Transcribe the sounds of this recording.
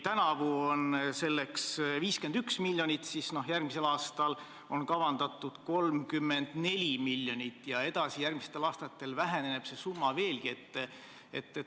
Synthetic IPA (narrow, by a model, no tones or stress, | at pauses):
t̪ænɑvuonse̞lːe̞ksviːske̞nd̪yksmilʲjo̞nʲit̪ˑsisno̞hjærɡmise̞lɑːst̪ɑl | o̞nkɑvɑnd̪̥ɑt̪ːˑud̪̥ko̞lmkymːe̞nd̪̥ne̞lʲimilʲːjo̞nʲit̪ːˑjɑe̞d̪̥ɑsijærmiset̪ːˑe̞lɑːst̪ɑt̪ːˑe̞lvæɦe̞nene̞b̥se̞sumːɑve̞ːlɡie̞t̪ˑː | et̪ːˑe